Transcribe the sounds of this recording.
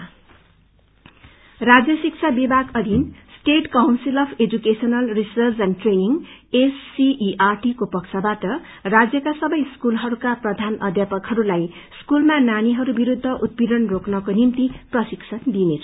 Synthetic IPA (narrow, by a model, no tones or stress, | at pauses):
rad͡zjʌsik̚t͡sʰabibʱaɡʌd̪ʱinsʈeʈkawnsilʌpʰed͡zukesʌnʌlrisʌrd͡zanʈreniŋesːiʔiʔarʈikopʌkt͡sʰabaʈʌ | rad͡zjʌkasʌbʌjskulɦʌɾukaprʌd̪ʱanʌd̪ʱjapʌkhʌɾulaj | skulmananiɦʌɾubiɾud̪ʱːʌʔut̪̚bid̪ʌnroknʌkonimt̪iprʌsiksʰʌnd̪inet͡sʰʌ